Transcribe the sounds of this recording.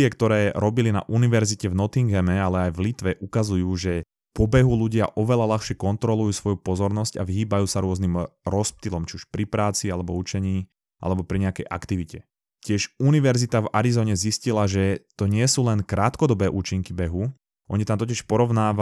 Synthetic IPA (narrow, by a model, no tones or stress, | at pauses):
ɪɛkt̪ɔɾɛːɾɔbilina̰ʔuniʋɛɾzicɛvnɔt̪iŋɡɛmɛalɛajvlit̪ʋɛʔukazujuːʒɛ | pɔbɛɦuluɟɪaʔɔʋɛʎalaxʃɪɛkɔnt̪ɾɔlujuːsʋɔjupɔzɔɾnɔsca̰ʋiɦiːbajuːsaɾʊɔznimɾɔsp̚t̪ilɔmt͡ʃiuʃpɾipɾaːt͡sialɛbɔut͡ʃɛɲiː | ʔa̰lɛbɔpɾiɲɛakɛjʔa̰kt̪iʋicɛ | cɪɛʒuniʋɛɾzit̪ava̰ɾizɔːɲɛziscilaʒɛt̪ɔɲɪɛsuːlɛnkɾaːt̪kɔd̪ɔbɛːʔuːt͡ʃiŋkibɛɦu | ʔɔɲit̪amt̪ɔc̬ɪɛʃpɔɾɔʊnaːʋa